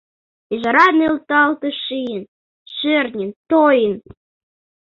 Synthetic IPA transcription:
iʒɑɾɑnelt̪ɑlt̪əʃijən | ʃørnʲənt̪ojən

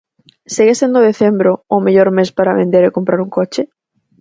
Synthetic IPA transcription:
seɣesend̪oðeθembɾoːmeʎoɾmespaɾaβend̪eɾekompɾaɾuŋkot͡ʃɪ

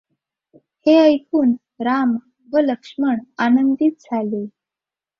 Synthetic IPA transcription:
heəjkʰuːn | ɾam | ʋələkʂməɳanənd̪it̪̚d͡zʱale

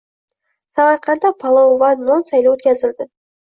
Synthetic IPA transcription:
sɑʁɑɾqʰɑnd̪ɑpʰɑlˠovɑnmonsɑjlawɵt̪kʲæzɪld̪ɪ

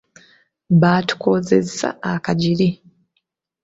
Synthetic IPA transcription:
βaːtu̥koːze̞̰sa̰akaɟili

